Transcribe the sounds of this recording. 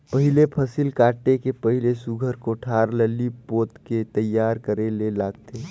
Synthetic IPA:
pəɦɪlepʰəsilkaːʈekepəɦɪlesʊɡʱəɾkoʈʰaːɾləlipoːt̪ket̪əjːaːɾkəɾelelaːɡt̪eː

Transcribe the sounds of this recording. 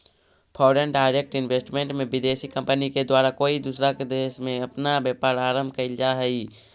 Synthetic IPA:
pʰɔːɖənɖaːɪɾek̚ʈɪnʋeːsʈmẽɳʈmẽbɪd̪eːsikə̃mpəniked̪waːɾakoːid̪uːsɾaked̪eːsmẽɐpnabjɛːpaːɾaːɾə̃mbʱkaɪld͡ʒaɦɛiː

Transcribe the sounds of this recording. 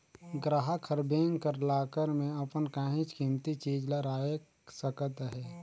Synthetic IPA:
ɡɾaɦakʰəɾbeːŋkəɾlaːkəɾmẽɐpənkãːɦɪ̃t͡ʃkiːmt̪it͡ʃiːd͡ʒləɾaːe | səkət̪ɦɛː

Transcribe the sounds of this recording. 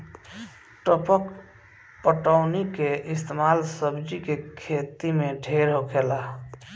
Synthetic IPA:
ʈəpək | pəʈəʊnikeʔɪst̪emaːlsəbd͡ʒikekʰeːt̪imẽɖʱeːɾɦokʰeːla

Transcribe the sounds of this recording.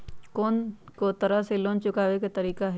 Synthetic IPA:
koːnkot̪ɐɾaseloːnt͡ʃʊkaːʋekat̪ɐɾiːkaɦɛ

